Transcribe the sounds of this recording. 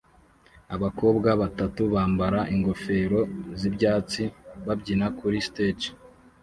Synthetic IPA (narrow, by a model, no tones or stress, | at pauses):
aβako̞ːbɡaβatatuβaːmbaɾaʔiŋɡo̞fe̞ːɾo̞zibɟaːt͡siβabɟinakuɾistet͡ʃ